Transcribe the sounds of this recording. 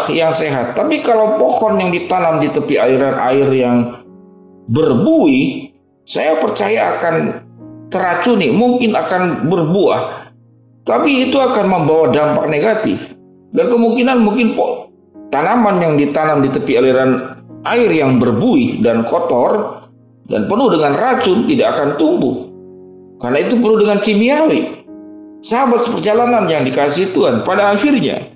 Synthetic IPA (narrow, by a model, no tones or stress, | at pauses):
hjaŋseɦat̪ːapikalawpɔhɔnjaŋdit̪anamdit̪əpialiɾanʔa̰ɪrjaŋ | bərbuɪh | sajapərt͡ʃajaːkant̪əɾat͡ʃunimuŋkɪnakanbərbua̰h | t̪apiːt̪uakanməmbawadampak̚neɡat̪ɪ̰f | dankəmuŋkinanmuŋkɪnp | t̪anamanjaŋdit̪anamdit̪əpialiɾanʔaɪrjaŋbərbuɪhdankɔt̪ɔr | da̰npənʊhdəŋanrat͡ʃʊnt̪idaːkant̪umbʊh | karnait̪upənuhdəŋankimiawi | səɦabat̪̚səpərd͡ʒalananjaŋdikasiht̪uanpadaːxirɲa̰